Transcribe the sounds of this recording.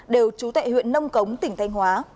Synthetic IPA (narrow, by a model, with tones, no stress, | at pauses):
ɗe˨˩wt͡ɕu˨˦t̪a̰ː˧˨jhwḭ˧˨ənːə˧wŋ͡mkə˨˦wŋ͡mt̪ï˧˩ŋ̟t̪ʰa˧jŋ̟hwaː˨˦